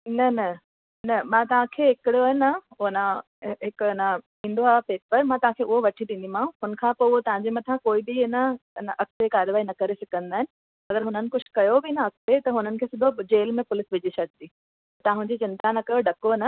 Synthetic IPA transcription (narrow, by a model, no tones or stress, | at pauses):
nɐnɐ | nɐmãːt̪ɐʋ̤ãkʰeːɦɪkɪɽijoɦɪnɐna | ɦɪkɐnə | ĩːnd̪oaːɦpeːpəɾmãt̪ɐʋɦãkʰeːʔʊɦoʋɐʈʰid̪ĩnd̪imãɦʊnə̆kʰãːpoːʊɦot̪ɐʋ̤ãɲd͡ʑemɐt̪ʰãkoːibɪɪnəɪnəʔɐk̚t̪ekaːɾjʋaːinɐkɐɾesɐkə̃nd̪aːɦɪnɪ̆ | ɐɡəɾɦʊnənɪ̆kʊt͡ɕ̆ʰkɐjobɪnɐɐk̚t̪et̪ɐɦʊnənɪ̆kʰeːsʊbʱʊd͡ʑeːlmẽpʊlɪsʋɪd͡ʑisɐɡ̚ʱd̪iː | t̪ɐt̪ɐãɦʊ̃ɲd͡ʑit͡ɕɪ̃nt̪anɐkɐjoɖɐkonə